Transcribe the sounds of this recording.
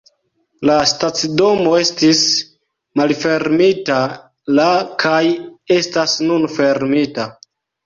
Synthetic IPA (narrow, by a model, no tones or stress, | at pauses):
lastat͡sido̞mo̞e̞stis | malfe̞ɾmita | lakʰaje̞stasnunfe̞ɾmita